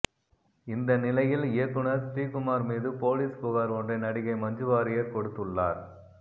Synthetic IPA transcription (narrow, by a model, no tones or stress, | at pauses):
ɪnd̪ɐnɪlɐjɪlɪjɐkːɯɳɐɾsʈiːkʊmaːɾmiːðɯpoːliːskʊɣaːɾɔndrɐɪnɐɽɪɣɐɪmɐɲd͡ʒɯʋaːɾɪjɐɾkɔɽɯt̪ːɯɭːa̰ːɾ